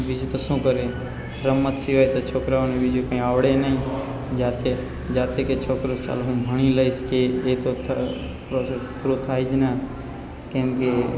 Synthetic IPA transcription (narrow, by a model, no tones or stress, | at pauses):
bid͡ʒt̪osũkəɾe | ɾəmːət̪siʋajt̪ot͡ʃʰoːkɾanebid͡ʒokə̃ĩaːʋɽenəĩ | d͡ʒaːt̪e | d͡ʒaːt̪eket͡ʃʰoːkɾost͡ʃa̰ːloɦũbʱəɽ̃iləskeːt̪ot̪ʰ | pɾosespuɾot̪ʰaːid͡ʒna | kẽmke